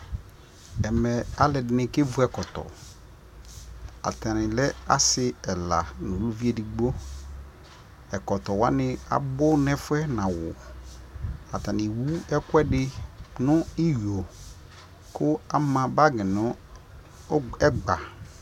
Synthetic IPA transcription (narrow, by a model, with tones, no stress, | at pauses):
ɛ˨mɛ˨a˨lɛ˨dɪ˨˦nɪ̃˦˨ke˦vu˦ɛ˨kɔ˨tɔ̰˨ | a̰˨ta˨nɪ̃˨lɛ˦a˦sɪ˦ɛ˨la̰˨nʊ̃˨lu˦vi˦e˦di˨ɡ͡bo˦ | ɛ˨kɔ˨tɔ˨wa˦nɪ̃˦a̰˨bʊ˦nɛ̃˦fʊ˦ɛ˦nã˨wʊ˨ | a˨ta˨nɪ̃˨wu˦ɛ˦kwɛ˦dɪ˦nʊ̃˦ɪ˦jo˨ | kʊ˦a˦mã˨ba˦ɡɪ˨nʊ̃˦ | ɛ˦ɡ͡ba˨